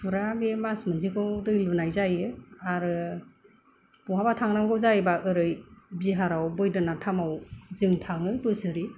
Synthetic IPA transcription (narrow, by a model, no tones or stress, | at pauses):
pʰɯɾamemasmɯnzikawdɯjlunajzajɯaɾɯ | puɦabatʰaŋnaŋɡɯwzajbaʔɯɾɯjbiɦaɾawbɯjdɯnatʰamawzɯŋtʰaŋɯbɯsɯɾi